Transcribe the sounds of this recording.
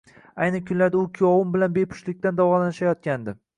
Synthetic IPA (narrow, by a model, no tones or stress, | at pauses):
ajnɪkʲʰʊnlaɾd̪aʊkʲʰijɒwʊmbɪlanbepʰʊ̥ʃlɪk̚ʲt̪and̪awɒlanɪʃajɒt̪̚kʲand̪ɪ